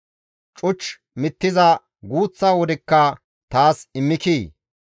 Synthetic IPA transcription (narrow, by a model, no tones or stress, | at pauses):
t͡ʃʼʊt͡ʃː | mɪt̪ːɪzɐ | ɡuːt͡sːaːwɔd̪ɛkːɐ | t̪aːsɪmːɪkiː